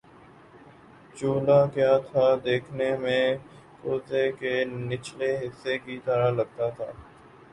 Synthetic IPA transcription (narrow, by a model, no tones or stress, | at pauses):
t͡ʃoːlakjaːt̪ʰad̪eːkʰnemẽ | koːzekenɪt͡ʃleɦɪsːekit̪əɾaləɡt̪at̪ʰaː